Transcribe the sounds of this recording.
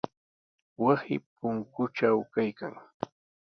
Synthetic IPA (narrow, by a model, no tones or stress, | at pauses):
wasɪ̰pʊŋkʊʈ͡ʂawkajka̰ŋ